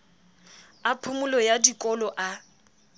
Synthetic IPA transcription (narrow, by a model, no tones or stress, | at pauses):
apʰʊmʊlɔjadikʼɔlɔʔa